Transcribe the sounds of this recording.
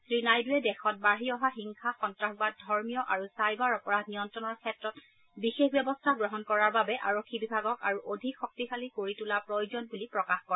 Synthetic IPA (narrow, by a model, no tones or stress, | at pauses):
sɹinajduɛdɛxɔt̚baɹɦiɔɦaxiŋxaxɔntɹaxbad̚dʱɔɹmijɔʔaɹusajbaɹɔpɔɹanijɔntɹɔnɔɹkʰɛtɹɔt̚ | bixexbjɛbɔstʰaɡɹɔɦɔnkɔɹaɹbabɛʔaɹokʰːibibʱaɡɔkaɹuʔodʱikxɔk̚tixalikoɹitulapɹojozɔnbulipɹɔkaxkɔɹɛ